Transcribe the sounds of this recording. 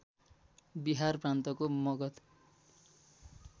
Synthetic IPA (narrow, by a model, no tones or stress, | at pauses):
biɦarprant̪ʌkomʌɡʌt̪